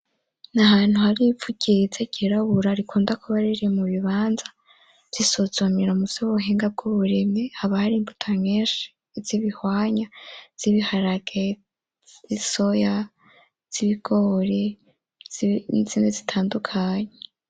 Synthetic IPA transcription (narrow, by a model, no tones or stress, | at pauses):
nahaːn̥huhaɾivuɟ̥izeɟiɾaβuɾaɾikʰuːndakʰuβaɾiɾiemuβiβaːnzḁ | z̥isozomiɾamu̥z̥eβuɦeːŋɡab̚ɡoβuɾe̞mehaβahaɾiːmbutʰameːnʃi̥ | z̥iβihwaːɲaz̥iβihaɾaɡ̥e | isoja | z̥iβiɡ̥oɾe | ziːnezi̥tʰaːndukʰaɲe